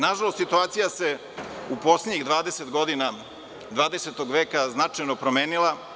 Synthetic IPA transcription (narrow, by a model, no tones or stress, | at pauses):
naʒalo̞st̪sit̪uaːt̪sijase̞ | upo̞sleɲiɣd̪ʋaːd̪e̞set̪ɡo̞d̪ina | d̪ʋaːd̪eset̪oɡʋe̞ːkaznat͡ʂajno̞pɾome̞ːnilˠa